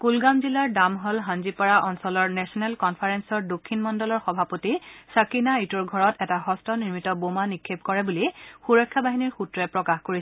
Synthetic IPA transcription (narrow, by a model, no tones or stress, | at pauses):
kulɡamzilaɹdamɦɔlɦãnzipaɹaʔɔnsɔlɔɹnɛsɔnɛlkɔnpʰaɹɛnsɔɹdokʰːinmɔndɔlɔɹxɔbʱapotisakinaitɔɹɡʱɔɹɔtɛtaɦɔstʰɔniɹmitɔbomanikʰːep̚kɔɹɛbulixuɹɔkʰːabaɦiniɹxutɹɛpɹɔkaxkoɹisɛ